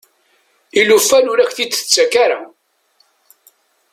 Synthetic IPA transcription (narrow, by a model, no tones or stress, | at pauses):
ilufːæluɾæçθit͡sːə̥t͡sːækaɾa